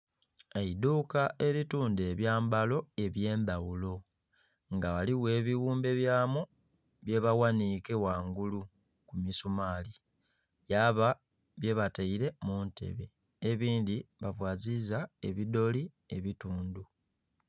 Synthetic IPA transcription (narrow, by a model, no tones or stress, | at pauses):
eiduːkaʔe̞ɾituːnde̞βjaːmbalo̞e̞βje̞ːndawulo̞ | ŋɡawaliwe̞ːβiwuːmbe̞βjaːmu | βje̞βawanikewaːŋɡulu | kumisumaːli | jaːβa | βje̞βataiɾe̞munte̞̰βe | eβiːndiβavwaːzizae̞βido̞li | eβituːndu